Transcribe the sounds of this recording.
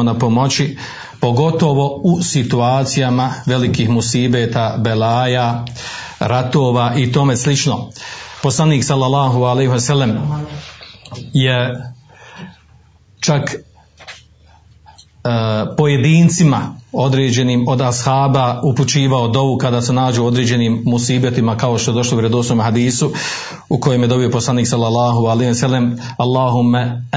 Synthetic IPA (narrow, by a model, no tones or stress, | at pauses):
onapo̞mo̞t͡ɕi | po̞ɡo̞t̪o̞ʋo̞usit̪uaːt̪sijamaʋe̞likiːhmusiːbet̪abelaːja | ɾat̪oːʋaːʔit̪o̞me̞slit͡ʃno̞po̞slˠaniːksalːalːaːɦualeɦosalːem | je | t͡ʃak | po̞je̞d̪iːnt̪simao̞d̪ɾeːd͡ʑe̞niːmo̞d̪ashaːbauput͡ɕiːʋaod̪o̞ʋukad̪aːsenaːd͡ʑeo̞d̪ɾeːd͡ʑe̞niːmmusiːbet̪imakaoʃt̪oedo̞ʃlˠouɾed̪osnomɦad̪iːsu | uko̞jemjed̪o̞bio̞poslˠaniːksalːalˠːaːɦualehsalːem | alˠːaːɦumːa